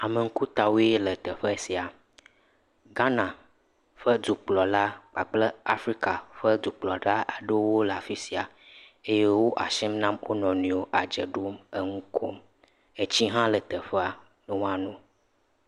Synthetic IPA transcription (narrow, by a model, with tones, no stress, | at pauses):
a˨mə˨ŋ̩˦ku˦t̪a˨wo˦e˦lə˨t̪ə˨ɸə˦si˨a˨ | ɡa˦nã˨ | ɸə˦d̪u˨k͡plɔ˨la˦k͡pa˨k͡plə˦a˦fɾi˦ka˨ɸə˦d̪u˨k͡plɔ˨ɖa˦ʔa˨ɖə˦wo˦lə˨a˨fi˦si˨a˨ | e˦je˦wo˦ʔa̰˨ʃɛ˦mnã˦mwo˦nɔ̃˨nũ˨o˦ʔa˨d͡ʒə˨ɖo˦mə˨ŋũ˦kʰo˦m | e˦t͡ɕi˦ɦã˦lə˨t̪ə˨ɸə˦a˨ | nə˨˦w̃ã˨nũ˦